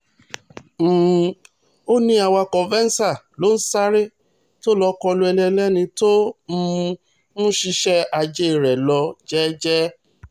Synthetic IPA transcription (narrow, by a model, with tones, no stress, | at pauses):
m̩̃ː˨ | o˦nĩ˧˦a˧˨wa˧kɔ̃˨vɛ˦n̩˦sa˦˨lo˦n̩˦sa˦ɾe˦ | to˦lɔ˧˦kɔ˧lo˧ɛ˧lɛ˧lɛ˦nĩ˧tõ˦˧ | nũ˦ʃi˧ʃɛ˦a˧d͡ʒe˦i˨ɾɛ˨lɔ˧d͡ʒɛ˦d͡ʒɛ˦